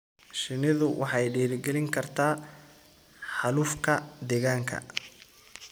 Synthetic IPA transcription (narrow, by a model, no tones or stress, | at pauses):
ʃɪnɪðʊwʔɑħɑjɖiːɾɪɡɛlɪŋkʰɐrt̪ʰaː | ħɑluːfkʰɐd̪ɛːɣaːŋkʰɐ̰